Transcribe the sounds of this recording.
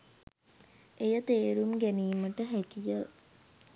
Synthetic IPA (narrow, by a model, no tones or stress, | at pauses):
ejət̪eːɾumɡæniːməʈəɦækijə